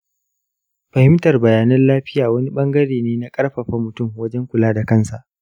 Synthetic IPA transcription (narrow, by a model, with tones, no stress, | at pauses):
ɸɐ˨hɪ˦mtɐ˨rbɐ˨jaː˨nɐ˦nlaː˦ɸɪ˦jaː˨wɐ˦ni˦ɓɐ˦ŋɡɐ˦ɽeː˨neː˦na˦kʼɐ˦rɸɐ˨ɸa˦mʊ˨tʊ˦˨mwɐ˦d͡ʒɛ˦ŋkʷʊ˨laː˦da˨kɐ˦˨nsa˨ʔ